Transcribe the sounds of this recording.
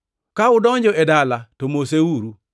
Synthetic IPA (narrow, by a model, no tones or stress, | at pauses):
kaʊdɔɲd͡ʒɔɛdalatomoseuɾu